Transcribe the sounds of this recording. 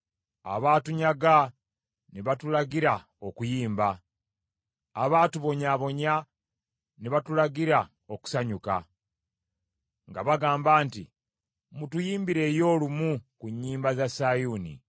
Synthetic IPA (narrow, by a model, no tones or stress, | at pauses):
a̰βaːtuɲaɡa | neβatulaɡiɾa | o̞kujiːmba | βaːtuβo̞ɲaβo̞ɲa | neβatulaɡiɾa | oku̥saɲuka̰ | ŋɡaβaɡaːmbaːntḭ | mutujiːmbiɾe̞ːjo̞ːlumukuɲːiːmbazasajunḭ